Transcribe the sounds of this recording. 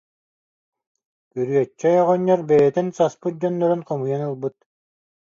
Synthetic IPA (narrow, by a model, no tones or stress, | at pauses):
kyɾyœt͡ʃːɛjɔʁɔɲːɔɾbɛjɛt̪insaspɯt̪̚d͡ʑɔnːœɾynχɔmujanɯlˠbɯt̪̚